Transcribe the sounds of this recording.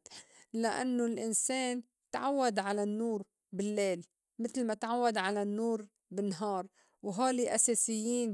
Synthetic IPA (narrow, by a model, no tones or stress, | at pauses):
laʔa̰nːʊlʔɪnseːn | t̪ʕawːad̪ʕalanːuːɾ | bɪlːeːl | mɪt̪lmat̪ʕawːad̪ʕalanːuːɾ | bɪnːɦɑːɾˤ | wɦaːliʔaseːsɪjːiːn